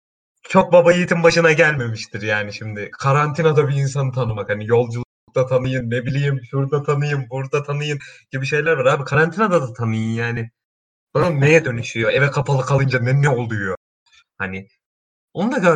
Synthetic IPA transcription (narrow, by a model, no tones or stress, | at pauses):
t͡ʃʰo̞k̚babajijit̪ʰimbaʃɯnaɟælʲme̞miʃt̪ʰiɾjaːniʃimd̪ɪkʰaɾant̪ʰinad̪abiːns̬anɯt̪ʰanɯmakhanijo̞lˠd͡ʒulˠɯuk̚t̪ʰat̪ʰanɯjɯnːebilʲijimsuɾk̚t̪at̪ʰanɯjɯnbuɾd̪at̪ʰanɯjɯnɟ̥ibiʃe̞jlʲæɾvaɾaːbikʰaɾant̪ʰinad̪ad̪at̪ʰanɯjɯnjaːnɪ | bununːe̞jɛd̪ø̞nyʃyjo̞ɛvɛkʰapʰalˠɯkʰalˠɯnd͡ʒanɛnɛolˠd̪ujjo | hanɪ | ond̪aka